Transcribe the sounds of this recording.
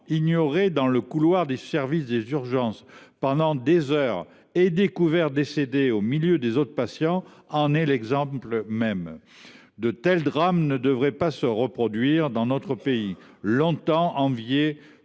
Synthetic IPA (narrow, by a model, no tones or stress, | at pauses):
iɲjɔʁed̪ɑ̃ləkulwaʁd̪esɛʁvisd̪ezyʁʒɑ̃spɑ̃d̪ɑ̃d̪ezœʁ | ed̪ekuvɛʁd̪esed̪eomiljød̪ezot̪χəpasjɑ̃ɑ̃nɛlɛɡzɑ̃plmɛm | d̪ət̪ɛld̪ʁamnəd̪əvʁɛpasəʁəpχɔd̪ɥiʁd̪ɑ̃nɔt̪χəpeilɔ̃t̪ɑ̃ʔɑ̃vje